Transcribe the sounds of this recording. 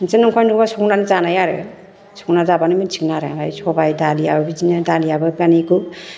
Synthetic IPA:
nsenɔŋkʰɔjnukbasɔknanizanajaɾḛ | sɔknazabanimint͡ʃʰi̥knaɾḛajsʰɔbajdalijabɯbizinadalijabɯpaniɡu

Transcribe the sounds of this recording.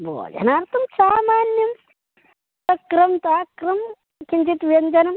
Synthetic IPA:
bo̰ːd͡ʒɐ̰naːɾt̪ʰɐmsaːmaːnjɐm | t̪ɐkɾɐmt̪aːkɾɐm | kind͡ʒit̪ʋjɐnd͡ʒɐnɐm

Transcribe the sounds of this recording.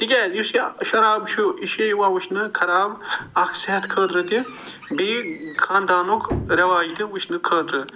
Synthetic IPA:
t̪ikʲɛːjusiʃɐɾaːbʃuʔiʃejwawuʃnɨkʰɐɾaːbɐkʰseɦɐt̪kʰəːt̪ɾɨt̪i | bikʰaːnd̪aːnukʰɾɐʋaːd͡ʒt̪iwuʃnɨkʰəːd̪ɾɨ

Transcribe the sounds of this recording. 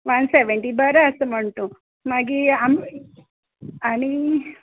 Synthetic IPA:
ʋɐnseʋeɳʈibaɾɐsɐmɐɳʈu | maɡiam | ɐni

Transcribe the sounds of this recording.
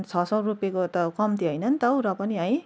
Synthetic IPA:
nt͡sʰʌsʌrupjekot̪ʌkʌmt̪ʰiɦʌjnʌnt̪ʌwɾʌpʌniʌj̃

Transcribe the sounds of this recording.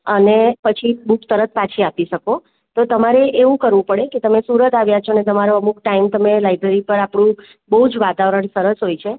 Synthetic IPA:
ənepət͡ʃʰibukt̪əɾət̪̚pat͡ʃʰiapiʃəko | t̪ot̪əmaɾeʔeʋũkəɾʋũpəɽeket̪əmesuɾət̪aʋjat͡ʃʰonet̪əmaɾoəmuk̚ʈaimt̪əmelajbɾeɾipəɾapɽ̃ũ | bəɦud͡ʒʋat̪aʋɾəɳsəɾəsɦojt͡ʃʰe

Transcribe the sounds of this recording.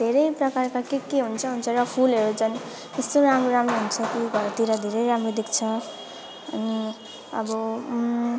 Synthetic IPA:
d̪ʱeɾʌjprʌkarkakekeɦunt͡sʰʌɦunt͡sʰʌɾʌpʰulɦʌɾut͡sʰʌn | est̪oɾamɾoɾamɾoɦunt͡sʰʌkiɡʱʌɾt̪iɾad̪ʱeɾʌjɾamrod̪ekt͡sʰʌ | ʌ̰ni | ʌ̰bʌ

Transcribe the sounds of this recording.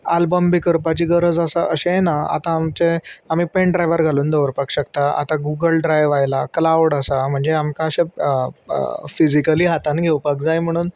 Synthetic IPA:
albəmbikəɾpat͡ɕiːɡəɾəd͡zasaʔəɕẽnaa̰t̪ãːmt͡seam̤iːpẽɳɖɾajʋəɾɡʱaluːnd̪əʋəɾpakɕəkt̪aa̰t̪ãɡuɡəlɖɾajʋajlaklawɽasam̤əɳd͡zeamkaəɕẽ | fid͡ʑikəliːɦat̪anɡʱewpakd͡zajm̤əɽ̃uːn

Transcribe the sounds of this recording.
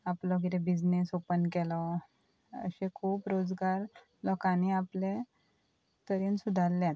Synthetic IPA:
aplɔɡiɾebid͡znesopənkɛlɔ | ə̰ɕẽkʰuːpɾod͡zɡaɾ | lɔkãniaple | t̪əɾinsud̪ʱalːãt̪

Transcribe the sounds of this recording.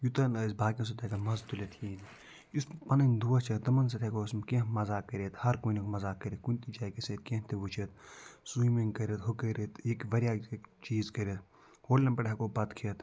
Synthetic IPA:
jut̪ɐnɐːzbaːkʲĩs̬ut̪ɐkɐmɐzt̪ulet̪ʰiːn | juspɐnɐnʲd̪uɐt͡ʃʰɐd̪ɐmɐns̬ɐt̪ʰɐkosmkẽɦmɐzaːkːɐɾʲet̪hɐɾkonikmɐzaːkɐɾʲet̪kunʲt̪id͡ʒaːjkeset̪̚kẽɦt̪eʋut͡ʃʰet̪̚sujmiŋkɐɾet̪ɦokɐɾet̪ekʋɐɾʲjaːt͡ʃiːzkɐɾet̪ | hoːlʲɐmpɐʈʰɐkobɐt̪kʰet̪

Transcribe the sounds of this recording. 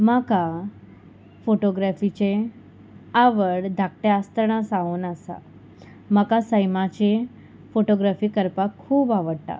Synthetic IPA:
maka | foʈoɡɾafit͡ɕe | aʋəɽd̪ʱak̚ʈjeast̪əɾɳ̃asaonasa̰ | makasəjmat͡ɕe | foʈoɡɾafiːkəɾpakʰːuːbaʋəɽʈ̪a̰

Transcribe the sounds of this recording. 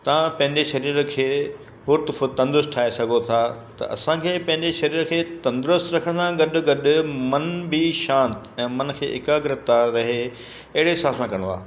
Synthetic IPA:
t̪ɐʋãpɐ̃ɦɪ̃ɲd͡ʑeʃɐɾiːɾkʰeː | bʊɾt̪fʊt̪ɐ̃nd̪ɾʊsʈʰaːesɐɡʱot̪ʰat̪ɐ̰ʔɐ̰sãkʰeːpɐ̃ɦɪ̃ɲd͡ʑeʃɐɾiːɾkʰeːt̪ɐ̃nd̪ɾʊst̪ɾɐkʰəɽ̃sãɡɐɗʊ̆ɡɐɗʊmɐnbɪʃãːnt̪ɛ̃ːmɐnkʰḛːʔɪkaɡɪɾɪt̪aɾɐɦe | ɐɦɪɽesaːsmãkɐɾɽ̃a̰ː

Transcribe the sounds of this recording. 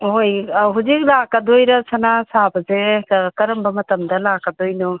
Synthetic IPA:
ɦojɦuzik̚lakad̪ojɾɐsʰanasabɐzekɐɾɐmbɐmɐtɐmdɐlakad̪ojnɔ

